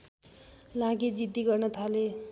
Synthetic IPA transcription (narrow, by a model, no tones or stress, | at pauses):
lãɡid͡zid̪iɡʌrnʌt̪ʰale